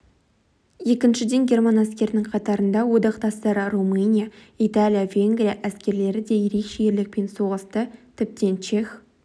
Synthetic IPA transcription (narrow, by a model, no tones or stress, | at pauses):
je̞kʲɪnʃɪd̪e̞ŋɡʲe̞rmanæskʲe̞ɾɪnɪŋqʰɑt̪ɑɾənd̪ɑwo̞d̪ɑqt̪ɑst̪ɑɾərumɨnʲija | it̪alʲijavʲe̞ŋɡɾʲijaʔæskʲe̞ɾle̞ɾɪd̪e̞je̞ɾe̞kʃe̞je̞ɾlɪk̚pe̞nso̞ʁəst̪ət̪ʰɪp̚t̪e̞nt͡ʃe̞x